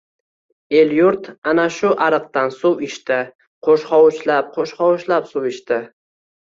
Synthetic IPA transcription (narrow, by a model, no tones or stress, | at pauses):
e̞ljʊɾt̪anaʃʊʔaɾɨqt̪ansʊwɪʃt̪ɪ | qʰoʃχɒwʊʃlap̚qʰoʃχɒwʊʃlapsʊwɪʃt̪ɪ